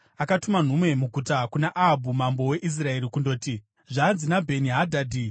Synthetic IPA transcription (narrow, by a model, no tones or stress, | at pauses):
akatuman̤umwe̞muɡʱutakunaʔaɦabʱumambo̞we̞ʔis̬rae̞ɾikundo̞ːti | ʐaːnzinabʱe̞niɦadʱaːdi